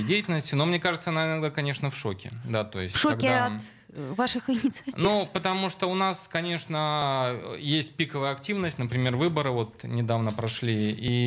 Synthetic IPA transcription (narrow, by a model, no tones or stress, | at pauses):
dʲejɪtʲɪlʲnəsʲtʲɪno̞mnʲe̞kaʐɨt̪səɐnaɪnɐɡd̪akɐnʲe̞ʂnəfʂo̞kʲɪ̰d̪at̪o̞̰ɪ̰sʲtfʲʂoɐɡkʲɪaɐt̪ | vaʂɨxɪnʲɪt̪sɨɐnʲupət̪ɐmuʂt̪oʊnaskɐnʲe̞ʂnə | jesʲtʲpʲikəvəjəɐktʲivnəsʲtʲnəpɾʲɪmʲe̞rvɨbəɾɨvo̞t̪nʲɪd̪avnəpɾɐʂlʲii